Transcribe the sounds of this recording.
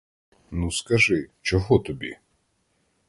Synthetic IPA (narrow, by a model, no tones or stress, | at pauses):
nuskɐʒɪt͡ʃɔɦɔt̪ɔbʲḭ